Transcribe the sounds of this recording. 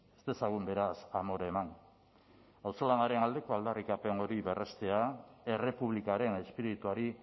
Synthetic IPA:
est̪esaɣumbe̞ɾasamo̞ɾeman | awso̞lanaɾe̞nald̪e̞ko̞ald̪arikape̞no̞ɾiβe̞rʔe̞st̪e̞ae̞re̞puβlikaɾe̞ne̞spiɾit̪uaɾi

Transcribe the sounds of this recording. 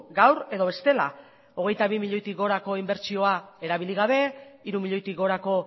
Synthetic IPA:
ɡawɾe̞ðo̞βe̞st̪e̞la̰ | o̞ɣe̞jt̪aβimiʎo̞jt̪iɡo̞ɾako̞imbe̞ɾt͡ʃio̞ae̞ɾaβ̞iliɣaβe̞iɾumiʎo̞jt̪iɡo̞ɾako̞

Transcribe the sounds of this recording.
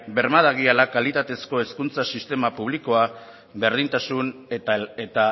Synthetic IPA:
be̞ɾmaðaɣialakalit̪at̪e̞sko̞e̞skunt͡sasist̪e̞mapuβ̞liko̞a | βe̞ɾð̞int̪asunet̪a

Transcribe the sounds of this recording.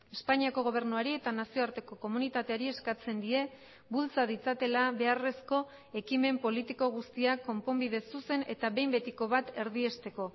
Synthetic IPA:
e̞spaɲiako̞ɣ̞o̞β̞eɾnuaɾie̞t̪anasio̞aɾt̪e̞ko̞ko̞munit̪at̪e̞aɾie̞skat͡se̞nd̪ie̞ | bult͡sað̞it͡sat̪e̞laβe̞are̞sko̞ | e̞kime̞mpo̞lit̪iko̞ɣ̞ust̪iakːo̞mpo̞mbið̞e̞suse̞ne̞t̪aβe̞jmbe̞t̪iko̞βat̪e̞ɾðiest̪e̞ko̞

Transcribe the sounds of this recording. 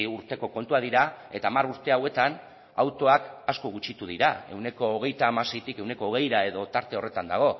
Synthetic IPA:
uɾt̪e̞ko̞ko̞nt̪uað̞iɾae̞t̪aːmaɾuɾt̪e̞awe̞t̪an | awt̪o̞akaskoɣut͡ʃit̪uðiɾa̰e̞̰wne̞ko̞ːɣ̞e̞jt̪aːmasejt̪ike̞wne̞ko̞ːɣ̞e̞jɾae̞ðo̞t̪aɾt̪e̞o̞re̞t̪and̪aɣ̞o̞

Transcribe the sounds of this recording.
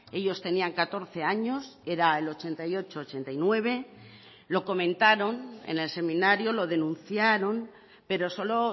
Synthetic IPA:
e̞ʎo̞st̪e̞niaŋkat̪o̞ɾθe̞aɲo̞se̞ɾae̞lo̞t͡ʃe̞nt̪ajo̞t͡ʃo̞ːt͡ʃe̞nt̪ajnwe̞β̞e̞ | lo̞ko̞mẽ̞nt̪aɾo̞nḛne̞lse̞mĩnaɾjolo̞ðe̞nũnθjaɾo̞n | pe̞ɾo̞so̞lo̞

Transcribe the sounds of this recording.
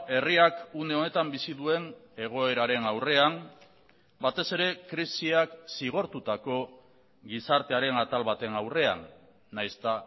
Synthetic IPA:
e̞riakune̞o̞ne̞t̪ambisiðue̞ne̞ɣ̞o̞e̞ɾaɾe̞nawre̞am | bat̪e̞se̞ɾe̞kɾisiaksiɣ̞o̞ɾt̪ut̪ako̞ | ɡisaɾt̪e̞aɾe̞nat̪alβat̪e̞nawre̞a̰nː | ajst̪a

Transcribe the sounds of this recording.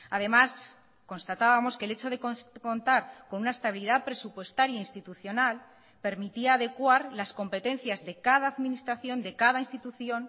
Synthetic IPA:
að̞e̞mas | ko̞nst̪at̪aβamo̞skele̞t͡ʃo̞ðe̞koko̞nt̪aɾko̞nunaest̪aβiliðapɾe̞supwe̞st̪aɾjainst̪it̪uθjo̞nal | pe̞ɾmit̪iaːðe̞kwaɾlasko̞mpe̞t̪ẽ̞n̟θjazðe̞kað̞aːðmĩnist̪ɾaθjo̞nd̪e̞kaðainst̪it̪uθjo̞n

